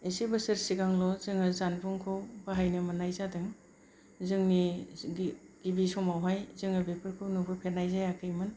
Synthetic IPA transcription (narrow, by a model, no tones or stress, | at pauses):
esibɯsɯɾsiɡaŋlɔzɯŋɯzanbuŋkʰɯwbaɦajnɯmanajzadɯŋ | zɯŋni | ɡ̥ibisɔmawɦajzɯŋɯbepʰɯɾkʰɯwnubʰɯpʰenajzajakʰɯjmɯn